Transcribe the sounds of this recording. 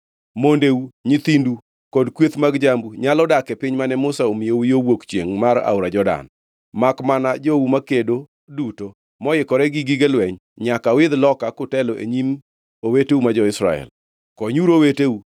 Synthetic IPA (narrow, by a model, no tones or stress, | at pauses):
mondeuɲɪt̪indu | kɔdkwet̪maɡd͡ʒambuɲalɔdakɛpɪɲmanɛmʊsaomɪjowjowokt͡ʃjḛŋmaɾa̰ʊɾad͡ʒɔda̰n | makmanad͡ʒoumakedo | duto | mɔjɪkɔɾɛɡɪɡiɡelwɛɲ | ɲakawɪd̪lɔkakʊtɛlɔʔḛɲim | oweteumad͡ʒɔɪsɾa̰ɛ̰l | kɔɲuɾoweteu